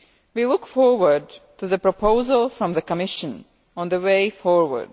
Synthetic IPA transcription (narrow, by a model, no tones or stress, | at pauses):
wilʊkfɔɹwə˞dtɨðəpɹ̥əpʰoʊzəlˠfɹʌ̃mðəkəmɪʃə̃n | ə̃nðəweɪfɔɹwə̰˞d̥